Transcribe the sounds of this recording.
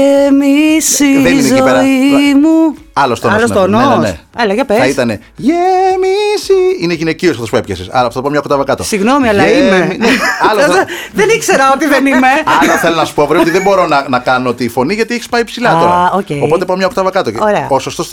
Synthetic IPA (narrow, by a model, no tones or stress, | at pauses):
emisieinzoimu | ɐlost̪oolsoononeelɐʝɐpeɐit̪ɐne̞ | ʝemisiineʝineciosɐft̪opuepçesesɐ̰ɾɐft̪ot̪pɐmɲɐokot̪ɐvɐkɐt̪ossiɣnomiɐlɐɐimmmineɐloθeðenikseɾɐot̪iðenimeɐoθelonɐsu̥povɾeot̪iðebo̞ɾo̞nɐnɐkɐnoot̪ifo̞niʝɐt̪ieçi̥spɐipsilɐt̪oɾɐoceopo̞t̪epɐmɲɐokot̪ɐvɐkɐt̪ooɾeɐosost̪os